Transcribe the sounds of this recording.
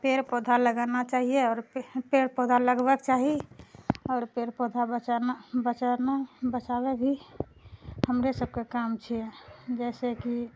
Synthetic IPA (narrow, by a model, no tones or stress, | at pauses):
peɾpɔd̪ʱaləɡanat͡ʃaːɦieɔːɾpeɾpɔd̪ʱaləɡbəkt͡ʃaɦi | ɔːɾpeɾpɔd̪ʱabət͡ʃanabət͡ʃanabət͡ʃabebʱi | həmɾesəb̚kekamt͡ʃʰiɛd͡ʒɛseki